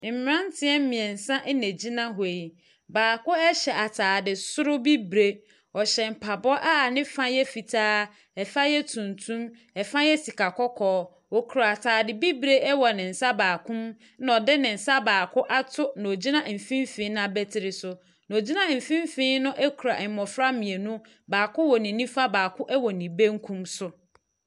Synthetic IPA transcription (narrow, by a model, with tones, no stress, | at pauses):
m̩˨m˨ɾã˦n˦tʰɪ˦ɛ˦m̩˦mɪ̃˨ɛ̃˨n̩˨sã˦ʔɛ˦ne˨d͡ʑi˦nã˦ɦʊ˨e˨i˨ | baː˨kʊ˦ɛ˦ɕɛ˨ʔa˨tʰaː˨dɪ˨sʊ˦ɾʊ˦bi˦bɾe˦ | ɔ˨ɕɛ˨m̩˨pʰa˨bɔ˦ʔa˦˨nɪ̃˦fã˦jɛ˦fi˨tʰaː˦ | ɛ˨fa˦jɛ˦tʰũ˨ntʰũ˦m | ɛ˨fã˦jɛ˦si˨ka˨kɔ˦kʰɔː˦ | ɔ˨kʰu˨ɾa˨tʰaː˨dɪ˨bi˦bɾe˦ɛ˦wɔ˨nɪ̃˨n̩˨sa˦baː˨kʰʊ̃˦m | na˨ɔ˨dɛ˦nɪ̃˨n̩˨sa˦baː˨kʰʊ˦ʔa˦tʰʊ˦nã˨o˨d͡ʑi˦nã˦m̩˨fĩ˦m˦fĩ˨˦ñ˦a˦bɛ˦tʰɪ˨ɾɪ˨sʊ˨ | n˨o˨d͡ʑi˦nã˦m̩˨fĩ˦m˦fĩ˦nʊ̃˦ʔɛ˦kʰu˨ɾa˨ʔɛ˨mɔ˨fɾa˦mĩ˨e˨nũ˦ | baː˨kʰʊ˦wɔ˨nɪ̃˨˦nĩ˦fa˦baː˨kʰʊ˦ʔɛ˦wɔ˨nĩ˨be˦ŋ̩˦kʰũ˦msʊ˦